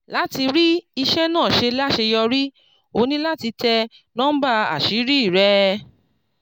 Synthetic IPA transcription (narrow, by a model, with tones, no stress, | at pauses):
la˦ti˧ɾi˦i˧ʃɛ˦nãː˦˨ʃe˧la˦˨ʃe˧jɔ˧ɾi˦ | o˧nĩ˦la˦ti˧tɛ˧ | nɔ̃˦ba˧a̰˨ʃi˨˦ɾi˦i˦˨ɾɛ˦